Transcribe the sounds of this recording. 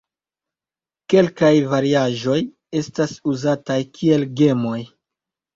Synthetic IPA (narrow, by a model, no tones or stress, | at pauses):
ke̞lkajvaɾiaʒo̞j | e̞stasuzatajkʰie̞lɡe̞mo̞j